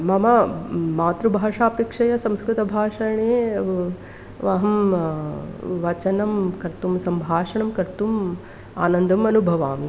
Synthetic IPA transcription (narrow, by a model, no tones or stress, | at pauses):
mɐmamaːt̪ɾubʱaːʂaːpikʂɐjɐsɐ̃mskɾut̪ɐbʱaːʂɐɳeː | ʋɐɦɐm | ʋɐt͡ʃɐnɐmkɐɾt̪umsɐmbʱaːʂɐɳɐmkɐɾt̪um | aːnɐnd̪ʱɐmɐnubʱɐʋaːmi